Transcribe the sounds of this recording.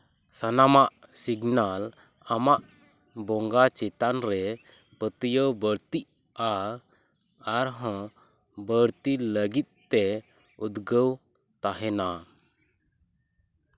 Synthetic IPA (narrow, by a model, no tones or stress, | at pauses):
sanamaʔ | siɡnal | amaʔ | bɔŋɡat͡ʃɛt̪anɾɛ | pət̪əjəwbəɾt̪iʔ | a | ɾɦə̃ | bəɾt̪iləɡit̪̚t̪ːɛ | ud̪ɡəw | t̪aɦɛna